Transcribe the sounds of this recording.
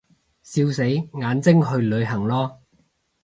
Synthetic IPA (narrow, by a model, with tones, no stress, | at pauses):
siː˧wse˨˥jŋaː˨˧nt͡sɪ˥ŋɦɵ˧ɥlɵ˨˧ɥɦɐ˨˩ŋlɔː˥